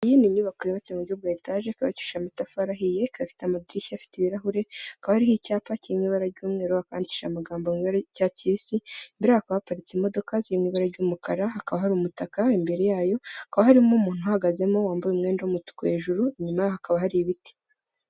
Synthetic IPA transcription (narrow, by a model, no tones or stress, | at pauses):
jinimɲuːβakoiβat͡semuɟob̚ɡaːitaːʒekaβacu̥ʃamitafaɾaɦije̞kafi̥teamadiɾiʃiafi̥tiβiɾaɦuɾe̞akaβahaɾihicaːpaciimŋiːβaɾaɾɟuːmŋe̞ːɾoaka̰ːndici̥ʃa̰maɡaːmboŋiβaɾacaːciβisimbiɾahakaβapaɾit͡simo̞do̞kaziimŋiːβaɾaɾɟuːmukʰaɾaɦakaβaɦaɾuːmutakaimbeɾe̞jaːjo̞akaβahaɾimomuːn̥uhahaɡaze̞mo̞waːmbujumŋeːndawumutu̥koe̞ːʒuɾuɲumajohakaβahaɾiβiti̥